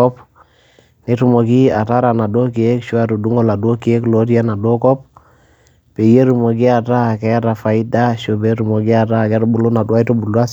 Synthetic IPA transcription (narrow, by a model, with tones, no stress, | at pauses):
ɔp | ni˦tu˨mo˨ki˦a˨ta˦ɾana˨do˦ki˨e˦kʃu˦a˦to˨du˦ŋo˦la˨do˦ki˨e˦klo˦ti˦a˦na˨do˦kɔ˦p̚ | pe˨je˦ɾu˨mo˨ɡi˦a˨ta˦kɛ˦ɾa˨fa˨ida˦ʃo˨be˦tu˨mo˨ɡi˦a˨ta˦kɛ˦ɾo˦bu˨lu˦na˨du˦a˦i˦to˦bu˨lwa˦s